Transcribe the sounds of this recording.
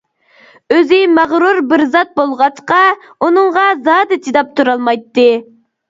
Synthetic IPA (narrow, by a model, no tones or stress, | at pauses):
øzɪmæʁɾuɾbɪɾzɑt̪̚bolˠʁɑt͡ʃqɑ | unɨŋʁɑzɑːd̪ɨt͡ʃ̪ʰid̪ɑp̚t̪ʰuɾɑlˠmɑjt̪ːɨ